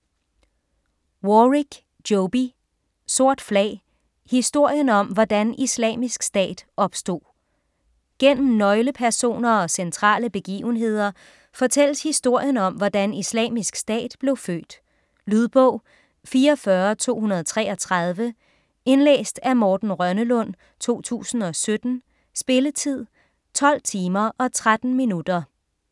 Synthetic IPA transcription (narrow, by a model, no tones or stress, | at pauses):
woʁiɡ̥ | d̥oʊb̥i | so̝ɐ̰d̥flɛ̰ɪ | hisd̥o̝ɐ̰jənɒ̽mʋɒd̥ænislɛ̰ːmisɡ̥sd̥ɛ̰ːd̥ɒ̽b̥sd̥o̝̰ː | ɡ̥en̰m̩nɒ̽ɪləpʰæɐso̝̰ːnɐɒ̽sent͡sʰʁɑ̰̈ːləb̥e̝ɡ̥ḭːʊn̩ɦe̝ð̞̰ˠɐ | fɒ̽t͡sʰel̰əshisd̥o̝ɐ̰jənɒ̽mʋɒd̥ænislɛ̰ːmisɡ̥sd̥ɛ̰ːd̥b̥le̝ʊfø̰ːd̥ | lyðˠb̥ɔ̽ʊ̰ | fiːɐɒfɶɐt͡sʰo̝̰ːɦunɐð̞ˠt͡sʰʁɛːɒ̽t͡sʰʁɑð̞ˠʋə | e̝nlḛːsd̥æmɒːd̥n̩ʁɶnəlɔ̽n̰ | t͡sʰo̝̰ːt͡sʰṵːsn̩ɒ̽sød̥n̩ | sb̥e̝lət͡sʰið̞̰ˠ | t͡sʰɒ̽l̰t͡sʰiːmɐʔɒ̽t͡sʰʁad̥n̩minud̥ɐ